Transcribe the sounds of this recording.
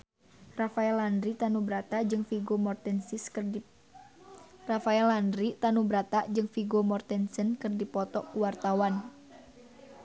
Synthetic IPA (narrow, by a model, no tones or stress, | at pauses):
rafaɛlandɾit̪anubɾat̪ad͡ʒɨŋfiɡomɔrt̪ɛnsis | rafaɛlandɾit̪anubɾat̪aʔd͡ʒɨŋfiɡomɔrt̪ɛnsənkɨrdipɔt̪ɔʔkuwart̪awan